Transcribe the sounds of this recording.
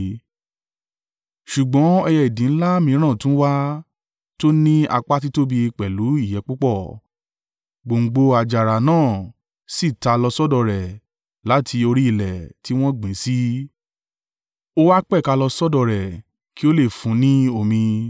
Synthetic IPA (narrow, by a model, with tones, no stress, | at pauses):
ʃu˨ɡ͡bɔ̃˨˦ɛ˧jɛ˧˨i˨dĩ˨˦n̩˦la˦mĩ˧˦ɾ̃ã˦˨tũ˨˦wa˦ | to˦nĩ˦a˧k͡pa˦t̬i˦to˦bi˧k͡pɛ˨lu˨˦i˦˨jɛ˨˦k͡pu˦k͡pɔ˦˨ | ɡ͡bo˨ŋ̩˨ɡ͡bo˧a˧d͡ʒa˨ɾa˨nãː˦˨ | si˦˨ta˨˧lɔ˧sɔ˦dɔ˧˨ɾɛ˨ | la˨˦tʰi˧o˧ɾi˦i˧˨lɛ˨ti˦w̃ɔ̃˦ɡ͡bĩ˨˦si˦ | o˦wa˦k͡pɛ˦˨ka˧lɔ˧sɔ˦dɔ˧˨ɾɛ˨ | ki˦o˦le˦˨fũ˨˦nĩ˦o˧˨mĩ˧